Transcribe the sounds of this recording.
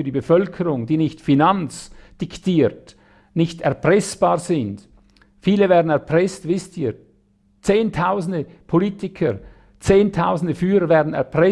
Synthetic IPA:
yːɐdiːbəfœlkʰəʁʊŋdiːnɪçtfinant͡sd̥ɪktiːɾt | nɪçtɛɐpʁ̥ɛsb̥aːʁzɪnd | fiːləvɛːɐdn̩ɛɐpʁ̥ɛstvɪstiːɾ | t͡seːntʰaʊzn̩dəpʰoliːtɪkʰəɾ | t͡seːntʰaʊzn̩dəfyːɾəvɛːɐdn̩ɛ̰ɐʁpʁɛ

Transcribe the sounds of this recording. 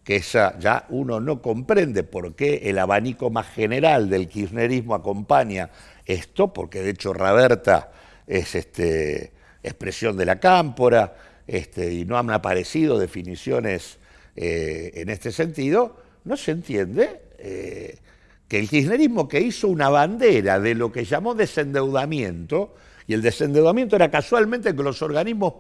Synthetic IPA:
kesaʒa̰uno̞no̞ko̞mpɾe̞nd̪e̞po̞ɾkeʔelaβaniko̞masxeneɾald̪e̞lkizneɾizmo̞ako̞mpaɲa | est̪o̞po̞ɾke̞ðeet͡ʃo̞raβeɾt̪a̰ | esest̪ḛ | ehpɾesjo̞nd̪elakampo̞ɾa | est̪eino̞anapaɾe̞sið̞o̞ð̞e̞finisjo̞nes | ḛːnest̪e̞se̞nt̪iðo̞ | no̞sent̪je̞nd̪e | e | keːlxihne̞ɾizmo̞ke̞iso̞unaβ̞and̪eɾaðelo̞keʒamo̞ðese̞nd̪e̞wðamjẽnt̪o̞ | ield̪ese̞nd̪ewðamjent̪oeɾakaswalment̪ek̬elo̞so̞ɾɣaniɦmoh

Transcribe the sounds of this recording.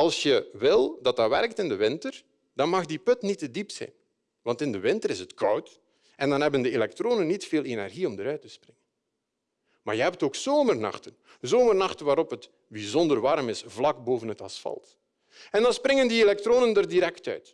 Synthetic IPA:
ɑlˠsjəʋɪlˠdɑt̚dɑʋɛrk̚tɪndəʋɪntər | d̥ɑnmɑxdipɵtnitədipsɛ̰jn | ʋɑntɪndəʋɪntəɾɪsətkʌwt | ɛndɑnɦɛbəndəelɛk̚troːnənːitfeːlˠenɛ̰rɣiɔmdəɾœɥtəsprɪŋən | ma̰ːɹjəɦɛp̚toːksoːmərnɑ̰xtən | zoːmərnɑxtənʋaːɾɔpɦət | bizɔndərʋɑɾmɪsvlɑɡboːvənɦətɑ̰sfɑ̰lˠt | ɛndɑnsprɪŋəndielɛk̚troːnəndərdiɾɛktœ̰ɥt

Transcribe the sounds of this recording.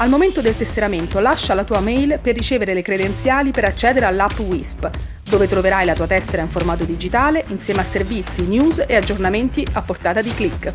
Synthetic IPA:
almoment̪od̪elt̪est̪eɾament̪olaʃːalat̪uːamɛjlperːit͡ʃeːveɾelekɾed̪ent̪sjaːlipeɾat͡ʃːɛːd̪eɾealːapːwisp | d̪oːvet̪ɾoveɾajlat̪uːat̪ɛsːeɾaiɱformaːt̪od̪id͡ʒit̪aːleʔinsjɛːmeasːervit̪sːinjuːzead͡ʒːornament̪iapːort̪aːt̪ad̪iklikː

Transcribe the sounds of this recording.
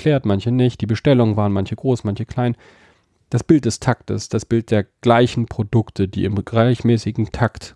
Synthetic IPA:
kʰl̥ɛːɐtmançənɪçt̚d̥iːbəʃtɛlʊŋənvaːʁənmançəɡ̥ʁoːsmançəkʰl̥aɪn | d̥asb̥ɪlt̚d̥ɛstʰaktə̰sd̥asb̥ɪlt̚d̥eːɐɡ̥laɪçn̩pʁ̥odʊktʰəd̥ḭːɪmɡʁaɪçmɛːsɪɡŋ̩tʰakt

